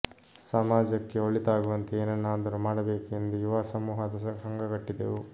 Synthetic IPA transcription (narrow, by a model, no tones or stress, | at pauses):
sɐmaːd͡ʒɐkːe̞oɭit̪aːɡuʋɐnt̪eeːnɐnːaːd̪ɐɾumaːɽɐbeːkuend̪uiʋaːsɐmuːɦɐd̪ɐɐɦɐŋɡɐɡɐʈːid̪ḛu